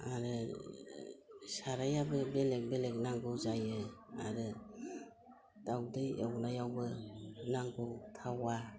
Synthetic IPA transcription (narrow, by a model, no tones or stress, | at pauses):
aɾɯ | saɾajabɯbelek̚belek̚naŋɡɯzajɯa̰ɾɯ | d̥awdɯjewnajawbɯnaŋɡɯwtʰawa